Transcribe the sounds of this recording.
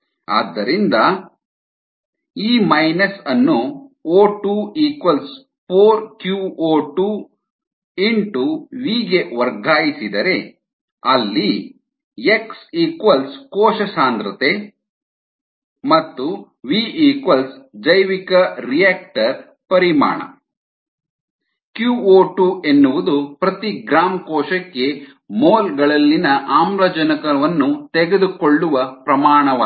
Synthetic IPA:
a̰ːd̪ːɐɾind̪ɐ | iːmɐjnɐsɐnːuoːʈuːiːkʋɐls | pʰoːɾkjuoːʈuː | iɳʈuʋiːɡeʋɐɾɡʱaːjisid̪ɐɾe̞ | ɐlːi | eksiːkʋɐlskɔːʃɐsaːnd̪ɾɐt̪e | mɐt̪ːu | ʋiiːkʋɐlsd͡ʒɐjʋikɐɾijeːk̚ʈɐɾ | pɐɾima̰ːɳɐ̰ | kjuːoːʈue̞nːuʋud̪upɾɐt̪iɡɾaːmkɔːʃɐkːe̞ | moːlɡɐɭɐlːinɐʔaːmɾɐd͡ʒɐnɐkɐʋɐnːut̪eɡe̞d̪ukoɭːuʋɐpɾɐmaːɳɐʋa

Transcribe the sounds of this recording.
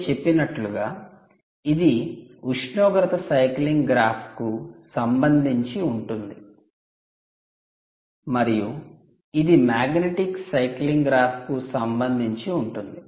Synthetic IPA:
t͡ʃe̞pːinɐʈluɡaː | id̪iuʂɳɔːɡɐɾɐt̪ɐsɐjkliŋɡɡɾaːpʰkusɐmbɐnd̪ʱiɲt͡ʃiuɳʈund̪i | mɐɾiju | id̪imaːɡneʈiksɐjkliŋɡɡɾaːpʰkusɐmbɐnd̪ʱiɲt͡ʃiuɳʈund̪i

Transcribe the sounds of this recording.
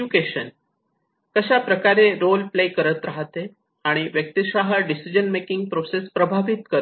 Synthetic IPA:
ukeɕən | kəɕapɾəkaɾeɾolplekəɾət̪ɾaɦt̪e | aɽ̃iʋjək̚t̪iɕaɦəɖisid͡ʑənmekiŋɡ̚pɾosespɾəbʱaʋit̪kəɾ

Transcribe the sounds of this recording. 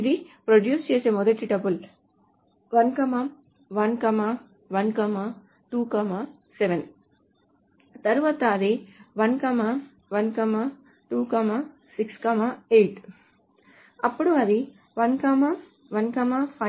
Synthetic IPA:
id̪ipɾoɖjuːst͡ʃeːse̞ːmɔd̪ɐʈiʈɐbul | ʋɐnkɐmɐ | ʋɐnkɐma | ʋɐnkɐmɐ | ʈuːkɐma | seʋen | t̪ɐɾuʋaːt̪ɐːd̪iʋɐnkɐmɐ | ʋɐnkɐma | ʈuːkɐma | sikskɐmaejʈ | ɐpːuɽuɐd̪i | ʋɐnkɐmɐ | ʋɐnkɐmapʰɐ

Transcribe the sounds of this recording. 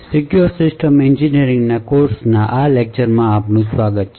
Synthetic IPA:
sikjuɾsɪsʈəmend͡ʒiniɾɪ̃ŋɡnakoːɾsnaʔalek̚t͡ʃəɾmãaːpnũswaːɡət̪̚t͡ʃʰ

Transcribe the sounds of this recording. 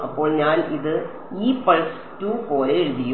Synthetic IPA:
ɐpːo̞ːɭɲaːniðɨ | iːpɐɭs | tːuːpoːleeɾuðijːu

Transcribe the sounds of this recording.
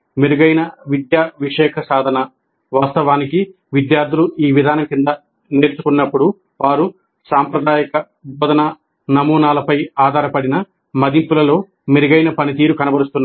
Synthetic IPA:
miɾuɡɐjnɐʋid̪jaːʋiʂɛːkʰɐsaːd̪ʱɐnɐ | ʋaːst̪ɐʋaːniki | ʋid̪jaːɾd̪ʱuluʔiːʋid̪ʱaːnɐmkind̪ɐ | neːɾt͡ʃukunːɐpːuɽu | ʋaːɾu | saːmpɾɐd̪aːjɐkɐ | bɔːd̪ɐnɐ | nɐmuːnaːlɐpɐjaːd̪ʱaːɾɐpɐɽinɐ | mɐd̪impulɐlo̞ː | miɾuɡɐjnɐpɐnit̪̬iːɾukɐnɐbɐɾust̪unː

